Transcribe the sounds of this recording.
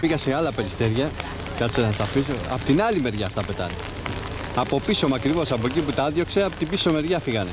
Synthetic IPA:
piɣɐseɐlɐpeɾist̪e̞ɾʝɐ | kɐseɐst̪ɐfisoɐ̰pot̪inɐlime̞ɾʝɐːft̪ɐpe̞t̪ɐ̰ne | ɐpo̞piso̞mɐkɾivo̞sɐp̬oeciput̪ɐɐðjo̞kse̞ɐpot̪ibiso̞me̞ɾʝɐfiɣɐne

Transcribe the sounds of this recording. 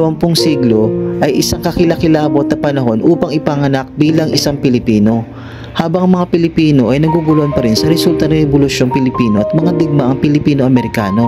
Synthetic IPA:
wɐŋpʊŋsiːɡlo̞ʔɐjʔɪsaŋkɐkɪlɐkɪlaːbot̪̚nɐpɐnɐɦo̞nʔuːpɐŋɪpɐŋɐnɐk̚biːlɐŋʔɪsaŋpɪlɪpiːno̞ | haːbɐŋɐmɐŋapɪlɪpiːno̞ʔɐjnɐɡubʊloʔnpɐɾɪnsɐɾɛsult̪ɐnɐŋɾɛbolʊʃjo̞ŋpɪlɪpiːno̞ʔɐt̪̚mɐŋad̪ɪɡ̚maʔɐŋpɪlɪpiːno̞ɐmɛɾɪkaːno̞

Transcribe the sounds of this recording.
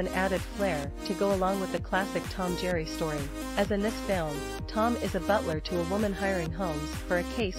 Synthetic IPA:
ɨ̃næɾɨd̥flɛɹ | ɾɨɡoʊəlɔ̃ŋwəðɨkʰl̥æsɨk̚tʰɑ̃md͡ʒɛɹistɔɹi | ɨzɨ̃nðɪsfɛ̃lˠm | tʰɑ̃mɪzɨbʌʔlə˞ɾɨːwʊmɨ̃nɦaɪ˞ɪ̃ŋɦõʊ̃mz̥fə˞ɨkʰeɪs

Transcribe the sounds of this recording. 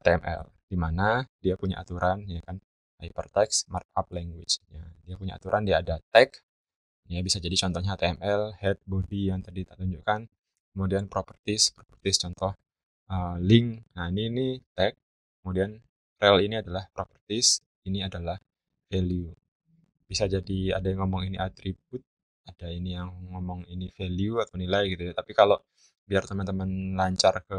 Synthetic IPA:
t̪eɛmʔɛ̰ld̥imanadiapuɲa̰ʔa̰t̪uɾʔanjakan | ʔajpərt̪ɛksmart̪̚ap̚lɛŋɡwɪt͡ʃjadiapuɲa̰a̰t̪uɾʔandiaːdat̪ɛk | jabisad͡ʒadit͡ʃɔnt̪ɔhɲat̪eɛmɛlhɛt̪̚bodijaŋt̪adit̪at̪uɲd͡ʒukan | kəmudianpɾopərt̪ɪspɾopərt̪ɪst͡ʃɔnt̪ɔh | əlɪŋjaininit̪ɛk̚ː | əmudian | rɛliniadalahpɾopərt̪ɪs | iniadalah | feliu | b̥isad͡ʒadia̰dajaŋɔmɔŋiniʔat̪ɾib̚ʊt̪̚ | adainijaŋːɔmɔŋinifeliuat̪awnilaiɡit̪ujat̪apikalo | biart̪əmənt̪əmənlaɲt͡ʃarkə

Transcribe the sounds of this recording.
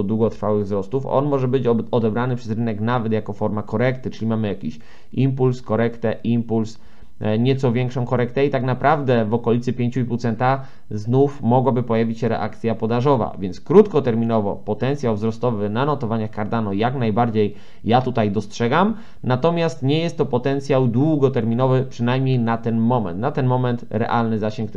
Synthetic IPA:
ɔd̪wuɡɔt̪ɾfawɘɣvzɾɔst̪ufɔ̰nmɔʐɛbɘt͡ɕɔd̪ɛbɾanɘpʂɛzɾɘnɛknavɛt̪jakɔfɔɾmakɔɾɛkt̪ɘt͡ʂɘlʲimamɘjakʲiɕ | impulskɔɾɛkt̪ɛʔimpuls | ɲɛt̪sɔvʲjɛŋkʂɔ̃w̃kɔɾɛkt̪ɛit̪aknapɾavd̪ɛvɔkɔlʲit̪sɘpʲjeɲt͡ɕuiput̪sɛnt̪a | znufmɔɡwabɘpɔjavʲit͡ɕɕɛɾɛ̰ʔa̰kt̪sʲjapɔd̪aʐɔva̰vʲjɛnt̪skɾut̪kɔt̪ɛɾmʲinɔvɔ̰pɔt̪ɛnt̪sʲjawvzɾɔst̪ɔvɘnanɔt̪ɔvaɲaxkaɾd̪anɔjaknajbaɾd͡ʑejː | at̪ut̪ajd̪ɔstʂɛɡam | nat̪ɔmʲjast̪ɲɛjɛst̪ːɔpɔt̪ɛnt̪sʲjawd̪wuɡɔt̪ɛɾmʲinɔvɘpʂɘnajmɲejnat̪ɛnmɔmɛ̰nt̪nat̪ɛnmɔmɛnt̪ɾɛ̰ʔalnɘzaɕɛŋk

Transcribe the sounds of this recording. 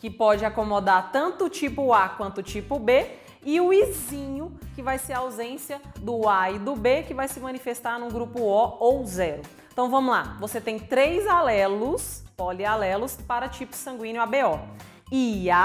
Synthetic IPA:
kɪpɔd͡ʒɪakomod̪aɾt̪ɐ̃nt̪ʊːt͡ʃipʊakwɐ̃nt̪ʊt͡ʃipʊbe | ɪʊizĩɲʊkɪvajseɾɐawzẽsijɐd̪ʊaid̪ʊbekɪvajsɪmɐ̃nifest̪aɾnũɡɾupʊɔowzɛɾʊ̃ | t̪ɐ̃w̃vɐ̃mʊzla̰voset̪ẽj̃t̪ɾejzalɛlʊspɔlialɛlʊspaɾɐt͡ʃipʊ̥sɐ̃ŋɡwĩnjʊabeɔ | ia

